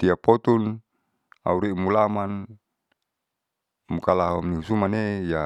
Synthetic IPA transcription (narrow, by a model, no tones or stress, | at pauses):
t̪iapɔt̪un | a̰uɾimulaman | mukalaɦɔmniusumaneja